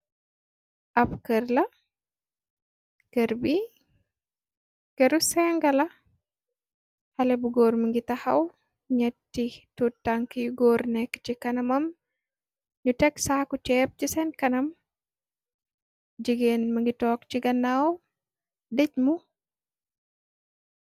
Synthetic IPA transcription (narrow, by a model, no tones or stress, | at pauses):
ʔɐpkəɾlɐ | kəɾbi | kɐɾusɛŋɡɐlɐ | hɐlɛbuɡoːɾməŋɡitɐhɐw | ɲɛtːitutːɐŋkjuɡoːɾnɛkːt͡ʃikɐnɐmɐm | ɲutɛksaːkut͡ʃɛːp̚t͡ʃisɛnkɐnɐm | d͡ʒiɡeːnmɐŋɡitɔːk̚t͡ʃiɡɐnːaːw | dɛc̚mu